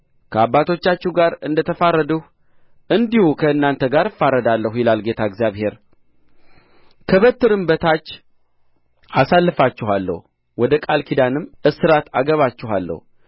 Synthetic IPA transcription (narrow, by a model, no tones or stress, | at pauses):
kʰəabːat̪ʰo̞t͡ʃːat͡ʃːuɡaɾɨnd̪ət̪ʰəfaɾːəd̪əh | ʔɨnd̪ihukʰəɨnːant̪ʰəɡaɾɨfaɾəd̪alːəhujɪlalɡe̞t̪ʰaɨɡzjaβhe̞ɾ | kʰəβət̪ːɨɾɨmbət̪ʰat͡ʃː | asalːɨfat͡ʃːɪɦalːə̰h | wɔd̪əkʼalkʰid̪anɨmːɨsɨɾat̪a̰ɡəβat͡ʃːɪha̰lːə̰h